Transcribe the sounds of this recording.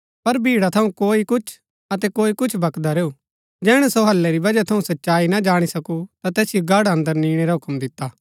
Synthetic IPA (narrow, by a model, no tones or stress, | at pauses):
pɐɾbʱiːɽat̪ʰɐũkoːikʊt͡ʃʰ | ɐt̪ɛkoːikʊt͡ʃʰbʱɐkd̪aɾeːu | d͡ʒɛːɽ̃ɛsoɦɐlːɛɾibɐd͡ʒat̪ʰɐũsɐtːʃaːinad͡ʒaːɽ̃isɐkut̪at̪ɛːsijoɡʱaːɽɐ̃nd̪əɾniːɽ̃eɾaɦʊkmd̪ɪt̪ːaː